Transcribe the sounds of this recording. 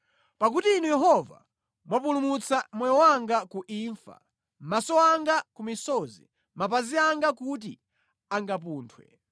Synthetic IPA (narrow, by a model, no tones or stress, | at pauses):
pak̬utiːnujɛɦɔva̰ | mwapulumut͡samwɛjɔwaŋɡakuʔiːɱfa̰ | m̩masɔaŋɡakumisɔzḭ | map̬aziaŋɡakut̬i | aŋɡap̬uːntʰwɛ̰